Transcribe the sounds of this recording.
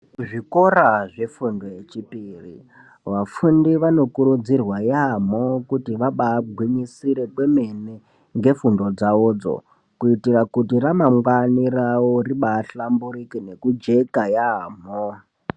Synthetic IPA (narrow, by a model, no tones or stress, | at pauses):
ʐikoɾaʐe̞fundojet͡ʃipiːrḭ | ʋafundiʋano̞kuɾud͡zirwajamokutiʋaɓaːɡʱwiɲisiɾe̞kwe̞me̞ne | ŋɡe̞fundo̞d͡zaoːd͡zo̰ | kuitirakutiramaŋɡwanirawoɾiɓaːɬambuɾikine̞kud͡ʒe̞kajaːm̤o